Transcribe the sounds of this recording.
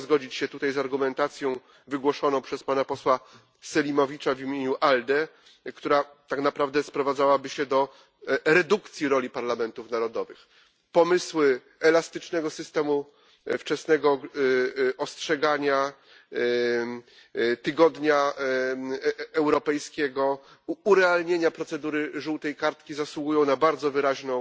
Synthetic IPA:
zɡɔd͡ʑit͡ɕɕɛt̪ut̪ajzaɾɡumɛnt̪at̪sʲjɔ̃w̃ | vɘɡwɔʂɔnɔ̃w̃pʂɛspanapɔswa | sɛlʲimɔvʲit͡ʂavʲimʲeɲuʔald̪ɛ | kt̪uɾat̪aknapɾavd̪ɛspɾɔvad̪zawabɘɕɛd̪ɔ | ɾɛd̪ukt̪sʲjiɾɔlʲipaɾlamɛnt̪ufnaɾɔd̪ɔvɘ̰x | pɔmɘswɘ | ɛlast̪ɘt͡ʂnɛɡɔsɘst̪ɛmu | ft͡ʂɛsnɛɡɔ | ɔstʂɛɡaɲa | t̪ɘɡɔd̪ɲa | ɛwɾɔpɛjskʲɛɡɔː | ɾɛalɲeɲapɾɔt̪sɛd̪uɾɘʐuwt̪ɛjkaɾt̪kʲizaswuɡujɔ̃w̃nabaɾd̪zɔvɘɾaʑnɔ̃w̃

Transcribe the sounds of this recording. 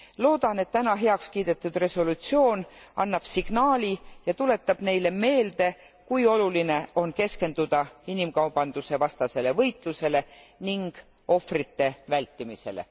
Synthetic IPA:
lo̞ːd̪̥ɑne̞t̪ːænɑɦe̞ɑkskiːd̪̥e̞t̪ːˑud̪̥re̞so̞lut̪sio̞ːnɑ̰nːɑb̥siɡ̥nɑːlʲijɑt̪ule̞t̪ːˑɑb̥ne̞jle̞me̞ːld̪̥e̞ | kujo̞luline̞o̞nke̞ske̞nd̪ud̪̥ɑinimkɑwb̥ɑnd̪̥use̞vɑst̪ɑse̞le̞vɤjt̪ˑluse̞le̞niŋɡ̥ | o̞frit̪ːe̞vælʲt̪ˑːimise̞̰le̞̰

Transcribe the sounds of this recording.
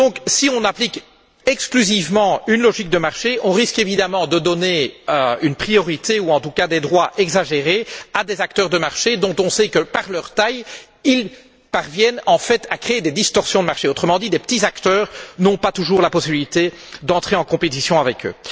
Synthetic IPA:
d̪ɔ̃ksiɔ̃naplik | ɛksklyzivmɑ̃ynlɔʒik̚d̪əmaʁʃeɔ̃ʁiskevid̪amɑ̃d̪əd̪ɔneøynpχijɔʁit̪euɑ̃t̪ukad̪ed̪ʁwaʔɛɡzaʒeʁead̪ezak̚t̪œʁd̪əmaʁʃed̪ɔ̃t̪ɔ̃sɛkəpaʁlœʁt̪aj | il | paʁvjɛnɑ̃fɛt̪ʰakχeed̪ed̪ist̪ɔʁsjɔ̃d̪əmaʁʃeot̪χəmɑ̃d̪id̪epət̪izakt̪œːʁnɔ̃pat̪uʒuːʁlapɔsibilit̪ed̪ɑ̃t̪χeɑ̃kɔ̃pet̪isjɔ̃avɛkø̰

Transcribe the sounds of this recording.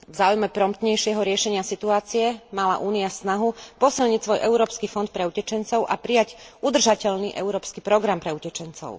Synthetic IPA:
vzaːujmɛpɾɔmt̪ɲɛjʃɪɛɦɔɾɪɛʃɛɲɪasit̪uaːt͡siɛmala̰ʔuːniasnaɦupɔsilɲicsʋɔjʔɛuɾɔːpskifɔnt̪̚pɾɛucɛt͡ʃɛnt͡sɔʊʔapɾijaɟud̪r̩ʒacɛʎniʔɛ̰uɾɔːpskipɾɔɡɾampɾɛucɛt͡ʃɛnt͡sɔ̰ʊ

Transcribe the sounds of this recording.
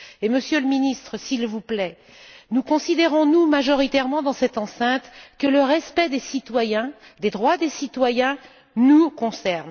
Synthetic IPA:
eməsjøləminist̪χəsilvuplɛ | nukɔ̃sid̪eʁɔ̃numaʒɔʁit̪ɛʁmɑ̃d̪ɑ̃sɛt̪ɑ̃sɛ̃t̪kələʁɛspɛd̪esit̪wajɛ̃d̪ed̪ʁwad̪esit̪wajɛ̃ | nukɔ̃sɛʁn

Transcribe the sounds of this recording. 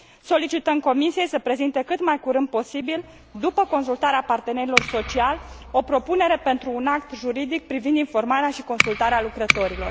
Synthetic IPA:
so̞lit͡ʃit̪əmko̞misije̞jsəpɾe̞zint̪e̞kɨt̪majkuɾɨnd̪̚po̞sibil | d̪upəko̞nsult̪aɾeapart̪e̞neɾilo̞rso̞t͡ʃialo̞pɾo̞pune̞ɾe̞pe̞nt̪ɾuːnakt̪ʒuɾid̪ik̚pɾivind̪info̞rmaɾeaʃiko̞nsult̪aɾealukɾət̪o̞ɾilo̞r

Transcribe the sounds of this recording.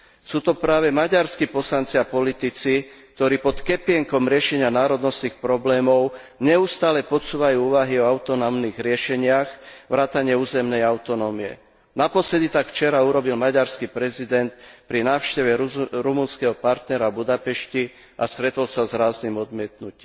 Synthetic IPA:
suːt̪ɔpɾaːʋɛmaɟaɾskipɔslant͡siapɔlit̪it͡sik̚t̪ɔɾiːpɔt̪kɛpɪɛŋkɔmɾɪɛʃɛɲɪanaːɾɔd̪nɔst̪niːxpɾɔblɛːmɔʊ | ɲɛust̪aːlɛpɔt͡suːʋajuːuːʋaɦiɔaʊt̪ɔnɔʊmniːɣɾɪɛʃɛɲɪaxʋɾaːt̪aɲɪɛuːzɛmnɛjaʊt̪ɔnɔmiɛ̰ | napɔslɛd̪it̪akft͡ʃɛɾauɾɔbilmaɟaɾskipɾɛzid̪ɛnt̪pɾinaːʊʃcɛʋɛɾumunskɛɦɔpaɾt̪nɛɾabud̪apɛʃci | ʔast̪ɾɛt̪ɔlsazɾaːznimɔd̪mɪɛt̪nuciːm

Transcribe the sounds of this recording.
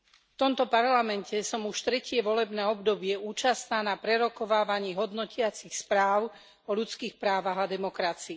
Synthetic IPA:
ft̪ɔmt̪ɔpaɾlamɛncɛsɔmuʃt̪ɾɛcɪɛʋɔlɛbnɛːɔbd̪ɔbɪɛuːt͡ʃast̪naːnapɾɛɾɔkɔʋaːʋaɲiːɦɔd̪nɔcɪat͡sixspɾaːʊ | ɔʎut͡skiːxpɾaːʋaɦad̪ɛmɔkɾat͡siː

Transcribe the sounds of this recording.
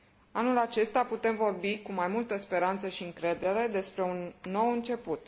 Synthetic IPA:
anulat͡ʃe̞st̪aput̪e̞mvo̞rbikumajmult̪əspe̞ɾant̪səʃiɨŋkɾe̞d̪e̞ɾe̞d̪e̞spɾe̞unːo̞wɨnt͡ʃe̞put̪

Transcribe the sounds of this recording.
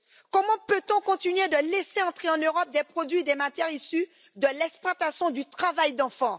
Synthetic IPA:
kɔmɑ̃pøt̪ɔ̃kɔ̃t̪inɥed̪əlɛseɑ̃t̪χeɑ̃nøʁɔp̚d̪ɛpχod̪ɥid̪ɛmat̪jɛʁisy | d̪əlɛksplwat̪asjɔ̃d̪yt̪χavajd̪ɑ̃fɑ̃

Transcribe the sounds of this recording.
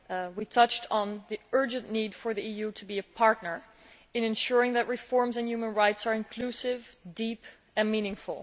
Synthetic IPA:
witʰʌt͡ʃtn̩ðiɜ˞d͡ʒɨ̃nʔnid̥fə˞ðiijutʰubiɨpʰɑɹtⁿnə˞ | ɨ̃nɨ̃nʃʊɹɪ̃ŋðɨtɹɨfɔɹmzɨ̃njumə̃nɹaɪtsəɹɨ̃nkʰlusɪvdip | ɨ̃nmĩnɪ̃ŋfl̩ˠ

